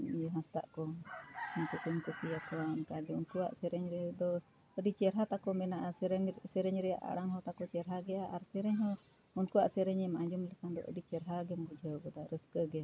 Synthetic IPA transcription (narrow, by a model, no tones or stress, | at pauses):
jɔɦast̪a̰ʔkɔ | ɔnkukumkusiakɔankaɡɛunkuwa̰ʔsɛɾɛɲɾɛd̪ɔ | əɖit͡ʃɛɾɦat̪akɔmɛnaʔaɾsɛɾɛɲɾɛja̰ʔa̰ɽaŋɦɔt̪akɔt͡ʃɛɾɦaɡɛjaʔaɾsɛɾɛɲɦɔ | unkuwaʔsɛɾɛɲɛmaɲd͡ʒumlɛkand̪ɔ̰ʔə̰ɖit͡ʃɛɾɦaɡɛmbud͡ʒʱəwɡɔd̪aɾəskəɡɛa